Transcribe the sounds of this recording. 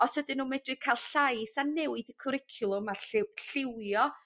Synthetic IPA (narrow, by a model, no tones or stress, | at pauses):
ɔshədɪnːuːmɛdrɨkʰajlˠɬajsanɛwɪdəkʰɔɾɪkʰjʊlˠʊmaɬɪɬɪwjɔ